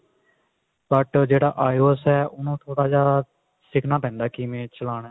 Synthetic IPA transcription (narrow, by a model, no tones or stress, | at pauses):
bəʈd͡ʒeːɽaːʔaːjoːsɦɛːʊnũːt̪ʰoːɽaːd͡ʒaː | sɪkʰnaːpɛ̃ːnd̪aːkɪmẽːt͡ʃəlaːɽɛː